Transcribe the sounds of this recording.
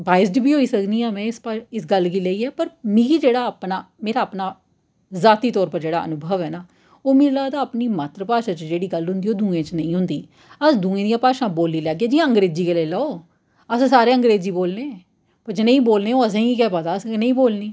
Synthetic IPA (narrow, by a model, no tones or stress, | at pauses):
baːɪsʈbiːɦoːiːsəkniːãːmɛ̃ːspaɪsɡəlkiːlɛiːɛːpəɾmĩːkiːd͡ʒeːɽaːpnaː | meːɾaːəpnaː | zaːt̪iːt̪ɔːɾpəɾd͡ʒeːɽaːʔə̰nʊbʱəʋɛːnaː | oːmĩːlaːt̪aːpniːmat̪ɾəpaːʃãːt͡ʃd͡ʒeːɽiːɡəlɦʊ̃nd̪iːoːd̪ũːẽːt͡ʃnə̃ĩːɦʊ̃nd̪iː | əsd̪ʊ̃ːẽːd̪ijãːpaːʃãːboːlːiːlɛːɡɛːd͡ʒiːãːə̃ŋɡɾeːd͡ʒiːkeːleːləːoː | əsãːsaːɾeːə̃ŋɡɾeːd͡ʒiːboːlneː | pəɾd͡ʒənə̃ĩːboːlneːoːəs̬ẽːiiːk̬ɛːpət̪aːəsnə̃ĩːboːlniː